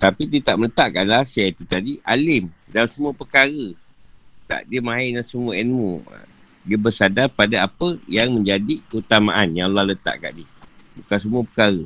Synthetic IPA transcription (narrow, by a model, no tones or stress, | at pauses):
t̪apit̪iət̪aʔmələt̪aʔkanlasajait̪ut̪adiʔalɪmdalamsəmuəpəkaɾə | t̪a̰ʔdiəmãɦinansəmuaɛnmṵ | diəbərsadarpadaapəjaŋmə̃ɲd͡ʒadikəhut̪amaʔanjaŋlahlət̪a̰ʔka̰ʔdiəbukans̬əmuəpə̥kaɾə